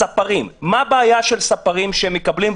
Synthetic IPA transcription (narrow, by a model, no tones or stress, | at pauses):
apaʁimːabeajaʃelsapaʁimʃeemːekablim